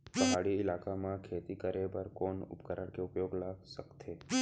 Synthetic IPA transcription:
pəɦaːɽiɪlaːkamãkʰeːt̪ikəɾebəɾkoːnʊ̰pkəɾəɽkeʊpjoːɡlaːɡsəkt̪ʰeː

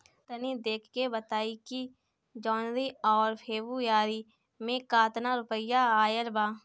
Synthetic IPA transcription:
t̪ənid̪eːkʰːebət̪aːiki | d͡ʒɔːnɾiɔːɾpʰeːbujaːɾi | mẽkaːt̪naɾʊpəjːaaːjəlbaː

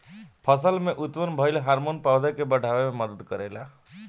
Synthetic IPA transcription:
pʰʌsəlmeʔut̪pʌnbʱʌjlɦaɾmonpawd̪ʱakebʌɽʱawememʌd̪əd̪kʌɾela

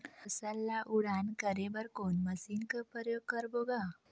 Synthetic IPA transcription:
səlːaʔuɽankəɾebəɾkonməsiːnkapɾəjoɡ̚kəɾboɡa

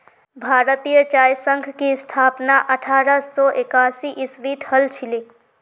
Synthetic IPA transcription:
bʱaɾət̪ijət͡ʃajsəŋɡʰʱkist̪ʰaːpnaʔəʈʰaːɾəsɔʔekasiʔisʋit̪həlt͡ʃʰili

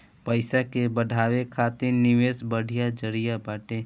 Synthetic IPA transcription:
pəɪsakebəɖʱaːwekʰaːt̪enɪʋeːsbəɽʱijad͡ʒəɾijabaːʈe

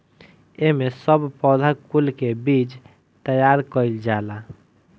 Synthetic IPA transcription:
emesəbpɔd̪ʱakulkebit͡ʃ | t̪əjaɾkəild͡ʒala

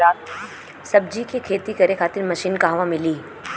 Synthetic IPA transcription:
a | sɐb̚d͡ʒikekʰeːt̪ikɐɾekʰaːt̪ɪɾmɐʃiːnkaɦɐʋamɪliː

